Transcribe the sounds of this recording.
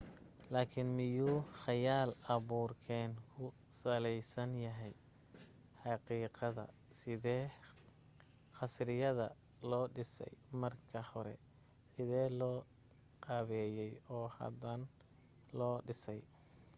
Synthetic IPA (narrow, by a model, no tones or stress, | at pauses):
laːkʰɪnmɪjuːχɑjaːlɑβuːrkʰɛːnkʰʊ | sɐlɛjsɐnjɐɦɛj | ħɑqiːqɑðɐ̰ | sɪðɛː | χɑsɾɪjɐðɐ̰ | lɔːɖɪsɛ̰jmɐrkʰɐhɔɾɛ̰ | sɪðɛːlɔː | qɑːβɛːjɛjɔːhɐ̰d̪ɐn | lɔːɖɪsɛj